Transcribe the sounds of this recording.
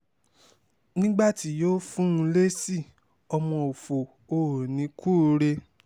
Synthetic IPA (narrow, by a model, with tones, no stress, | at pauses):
nĩ˦ɡ͡ba˦˨ti˨˦joː˦fũ˦ũ˧le˦si˦˨ | ɔ˧mɔ̃˧o˨fo˨ | o˧˨ɾo˨nĩ˨˦ku˦˧ɾe˧